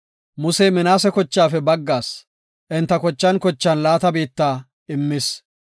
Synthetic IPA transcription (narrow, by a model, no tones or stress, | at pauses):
mʊsɛjmɪnaːsɛkɔt͡ʃːaːfɛbɐɡːaːs | ʔɪnt̪ːɐkɔt͡ʃːɐnkɔt͡ʃːɐnlaːt̪ɐbiːt̪ːaː | ɪmːɪs